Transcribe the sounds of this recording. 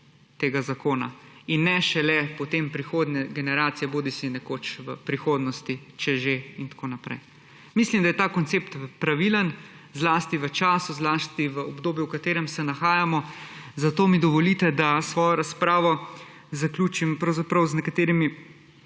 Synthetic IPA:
t̪eːɡazakoːna̰inːɛʃɛlɛpɔt̪empɾixoːd̪nɛɡɛnɛɾaːt̪sijɛboːd̪isinɛkot͡ʃʋəpɾixoːd̪nɔst̪it͡ʃɛʒeint̪ḁkoːnapɾɛ̰j | mislimd̪ajɛt̪akɔnt̪seːpt̪pɾaʋilən | zlaːst̪iʋət͡ʃaːsuzlaːst̪iʋəɔbd̪oːbjuwkat̪eːɾɛmsɛnaxaːjamɔzat̪oːmid̪ɔʋɔlit̪ɛd̪asʋɔːjɔɾaspɾaːʋɔ | zaklʲuːt͡ʃimpɾɐwzapɾɐwznɛkat̪eːɾimi

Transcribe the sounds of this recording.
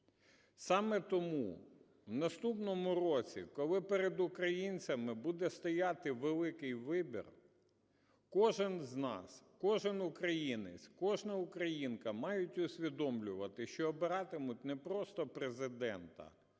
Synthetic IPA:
sɑmɛt̪ɔmu | wnɐst̪upnɔmʊrɔt͡sʲḭkɔlˠɪpeɾed̪ʊkɾɐjinʲt͡sʲɐmɪbud̪ɛst̪ɔjat̪ɪʋelˠɪkɪjʋɪbʲḭr | kɔʒɪnznɑ̰skɔʒɪnʊkɾɐjinḛt͡sʲkɔʒnɐʊkɾɐjinkɐmɑjʊtʲʊsʲʋʲid̪ɔmlʲʊʋɐt̪ɪʃt͡ʃɔːbɪɾɑt̪ɪmʊtʲnɛpɾɔst̪ɔpɾezɪd̪ɛnt̪ɐ̰

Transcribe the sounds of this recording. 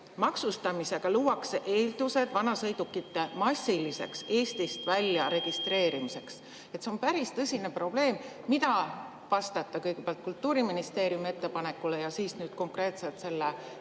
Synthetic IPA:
mɑksust̪ɑmise̞ɡ̥ɑluːwɑkse̞ʔe̞ːld̪̥use̞d̪̥vɑnɑsɤ̞jd̪̥ukːit̪ːe̞mɑsʲːilise̞̰kse̞ːst̪ist̪vælʲjɑɾe̞ɡ̥ist̪re̞ːɾimise̞ks | e̞t̪ːse̞o̞mpæɾist̪ɤsʲine̞pro̞b̥le̞ːmː | id̪ɑ | vɑst̪ɑt̪ːˑɑkɤjɡepeɑlt̪̚kult̪ːuːɾiminist̪e̞ːɾiumie̞t̪ːe̞pɑne̞kːˑule̞jɑsiːsnyːd̪̥̚ko̞ŋkre̞ːt̪se̞lt̪se̞lːe

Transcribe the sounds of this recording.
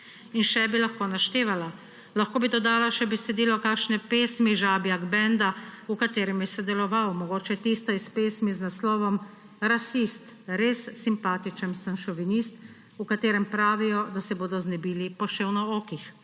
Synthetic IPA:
inʃɛbilaxkoːnaʃt̪eːʋala | laxkoːbid̪ɔd̪aːlaʃɛbɛsɛd̪iːlɔkaːkʃnɛpeːsmiʒaːbiaɡbɛnd̪aukat̪eːɾɛmjɛsɛd̪ɛlɔʋawmɔɡoːt͡ʃɛt̪iːst̪ajɛspeːsmiznaslɔːʋɔm | ɾasist̪ɾesːimpaːt̪it͡ʃənsəmʃɔʋinist̪ | ukat̪eːɾɛmpɾaːʋijɔd̪asɛboːd̪ɔznɛbiːlipɔʃewnɔoːkix

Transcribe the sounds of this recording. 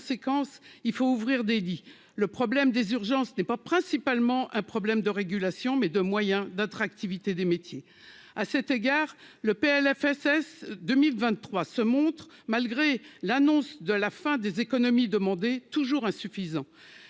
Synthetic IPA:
sekɑ̃silfouvʁiʁd̪eli | ləpχɔblɛmd̪ezyʁʒɑ̃snɛpapχɛ̃sipalmɑ̃ʔɛ̃pχɔblɛmd̪əʁeɡʲylasjɔ̃mɛd̪əmwajɛ̃d̪at̪χak̚t̪ivit̪ed̪emet̪je | asɛt̪eɡaːʁ | ləpeɛlɛfɛsɛsd̪ømilvɛ̃t̪ːχwasəmɔ̃t̪χmalɡʁelanɔ̃sd̪əlafɛ̃d̪ezekɔnɔmid̪əmɑ̃d̪et̪uʒuʁɛ̃syfizɑ̃

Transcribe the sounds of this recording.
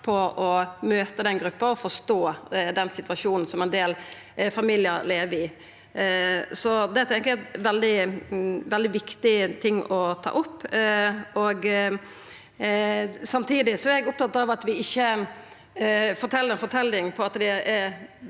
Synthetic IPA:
pʰɔʔɔmøːt̪əd̪ɛnɡɾʉpːəɾɔfɔʂt̪oːd̪ɛnːsɪt̪ʋɑʂuːnn̩sɔmɛnd̪eːl | fɑmiːlɪəɾleːʋəɾɪ | sɔd̪ɛt̪ʰɛŋkæʋɛld̪ɪ | ʋɛld̪ɪʋɪkt̪ɪt̪ʰɪŋːɔt̪ʰɑ̰ːʔʊpː | ɔɡ | sɑmt̪ʰiːd̪ɪsɔæɛɡʊp̚t̪ɑt̪ːɾɑʋɑt̪ʋɪɪçːə | fɔʈ̪ʰɛlːəɾɛnfɔʈ̪ʰɛlːɪŋpʰɔɑt̪d̪ɛɛɾ

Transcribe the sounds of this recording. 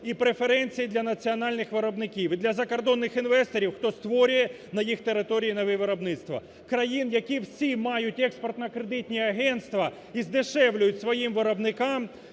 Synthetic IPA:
ipɾefeɾɛnʲt͡sʲijid̪lʲɐnɐt͡sʲiɐnɑlʲnɪxʋɪɾɔbnɪkʲiwɪd̪lʲɐzɐkɔrd̪ɔnːɪxinʋɛst̪ɔɾʲiwxt̪ɔst̪ʋɔɾʲʊjɛ | nɐjixt̪eɾɪt̪ɔɾʲijinɐʋɪʋɪɾɔbnɪt̪st̪ʋɐ̰ | kɾɐjinjɐkʲiwsʲimɑjʊtʲɛkspɔrt̪nɐkɾed̪ɪtʲnʲiɐɦɛnt̪st̪ʋɐ | izd̪ɪʃɛwlʲʊjʊtʲsʋɔjimʋɪɾɐbnɪkɑm

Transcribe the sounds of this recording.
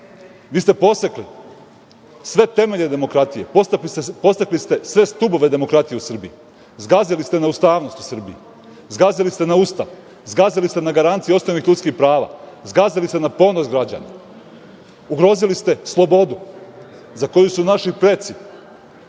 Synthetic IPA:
ʋiːst̪e̞po̞sekli | sʋe̞t̪e̞me̞ʎe̞d̪e̞mo̞kɾat̪ije̞post̪aklist̪po̞saklist̪e̞sʋe̞st̪ubo̞ʋe̞d̪e̞mo̞kɾat̪ijeusr̩bii | zɡazilist̪enaust̪aːʋno̞st̪u̥sr̩biji | zɡazilist̪e̞naust̪aʋ | zɡazilist̪e̞naɡaɾant̪sijeo̞sno̞ʋnixʎʲut̪skixpɾaːʋa̰ː | zɡazilist̪e̞napo̞nosɡɾad͡ʑa̰na̰ | uɡɾo̞zilist̪e̞slˠo̞bo̞d̪u | zako̞jusunaʃipɾe̞t̪si

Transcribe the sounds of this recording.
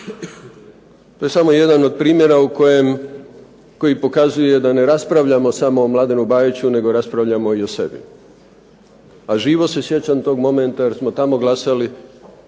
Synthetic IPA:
t̪o̞je̞samo̞je̞d̪anod̪̚pɾiːmje̞ɾaukojem | ko̞jipo̞kazuje̞d̪ane̞ɾaspɾaʋʎamo̞samo̞ːmlˠaːd̪enubaːjit͡ɕune̞ɡo̞ɾaspɾaʋʎamo̞io̞se̞̰bḭ | aʒiːʋo̞se̞sje̞t͡ɕant̪o̞ɡmo̞me̞nt̪ajeɾsmo̞t̪amo̞ɡlasali

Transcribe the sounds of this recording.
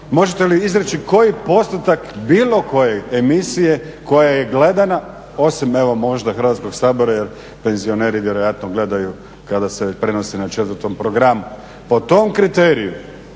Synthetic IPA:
mo̞ʒet̪eliizɾet͡ʃiko̞jipo̞st̪ut̪akbiːlˠo̞ko̞je̞emisije̞ | ko̞jaje̞ɡle̞d̪ana | o̞sime̞ʋo̞mo̞ʒd̪axɾʋat̪sko̞ɡsaːbo̞ɾajeɾ | pe̞nzio̞neːɾiʋjeɾo̞jat̪noɡle̞d̪aju | kad̪asepɾeno̞senat͡ʃet̪ʋəɾt̪o̞mpɾo̞ɡɾamu | po̞t̪o̞mkɾit̪eːɾiju

